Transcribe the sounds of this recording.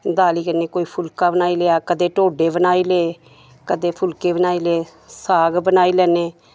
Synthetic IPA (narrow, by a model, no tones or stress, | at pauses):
d̪aːliːkəneːkoːiːpʰʊlkaːbənaːiːleːaːkəd̪eːʈoːɖeːbənaːiːleː | kəd̪eːpʰʊlkeːbənaːiːleː | saːɡbənaːiːlɛːneː